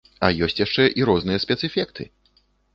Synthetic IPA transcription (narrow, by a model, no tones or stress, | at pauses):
ɐ̰jɔsʲt͡sʲjaʂt͡ʂɛʔiɾɔznɨjɐsʲpʲɛt̪sɛfʲɛkt̪ʰɨ̰